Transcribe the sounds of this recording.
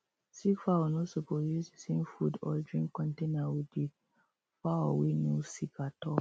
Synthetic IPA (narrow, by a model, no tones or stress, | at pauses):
sikfawɔnosopɾodusdisẽmfudɔ̰dɹĩŋkɔ̃ntenawidi | faɔwenusikʰatɔ